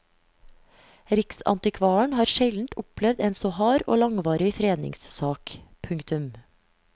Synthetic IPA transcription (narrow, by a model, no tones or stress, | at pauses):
ɾɪksɑ̰nt̪ɪkʰʋɑːəɳhɑːɾʃɛln̩t̪ʊplɛʋd̪eːnsoːhɑːɾo̰ːlɑŋʋɑːɾɪfɾeːd̪nɪ̰ŋssɑːkpʰʉŋkt̪ʉm